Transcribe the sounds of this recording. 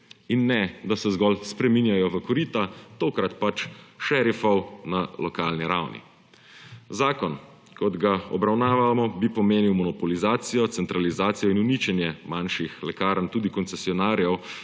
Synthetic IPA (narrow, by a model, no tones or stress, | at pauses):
inːɛd̪asɛzɡɔlspɾɛminjajɔʋəkɔɾiːt̪at̪oːkɾat̪pat͡ʃʃɛɾifɔwnalɔkaːlniɾawnḭ | zaːkɔn | kɔd̪ɡaɔ̰bɾawnaːʋamɔbipɔmeːniwmɔnɔpɔlizaːt̪sijɔt̪sɛnt̪ɾalizaːt̪sijɔinunit͡ʃɛnjɛmanʃixlɛkaːɾənt̪uːd̪ikɔnt̪sɛsiɔnaːɾjɛw